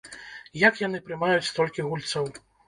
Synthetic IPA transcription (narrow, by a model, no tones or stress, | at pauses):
jakjan̪ɨpɾɨmajut͡sʲst̪ɔlʲkʲiɣulʲt̪sɐw